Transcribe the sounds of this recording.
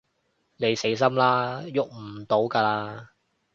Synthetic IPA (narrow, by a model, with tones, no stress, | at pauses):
ne˨˧jse˨˥js̬ɐ˥mlaː˦˥jʊ˨k̚m̩˨˩t̪o˨˥wkaː˧laː˧